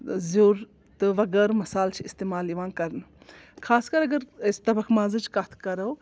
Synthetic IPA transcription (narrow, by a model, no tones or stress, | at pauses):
zuːɾ | t̪ɨʋɐɡəːɾmɐsaːlt͡ʃʰiist̪eːmaːliʋãːnkɐɾnɨ | kʰaːskɐɾɐɡɐɾst̪ɐbɐkʰmaːzɨt͡ʃʰkat̪ʰkɐɾɐw